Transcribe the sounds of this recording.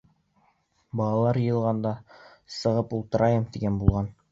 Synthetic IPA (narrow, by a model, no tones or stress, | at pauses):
bɑlˠɑlˠɑɾjɤ̆jɤ̆lˠʁɑnd̪ɑ | sɤ̆ʁɤpulˠt̪ɤ̆ɾʔɑjɤmt̪iɡænbulˠʁɑn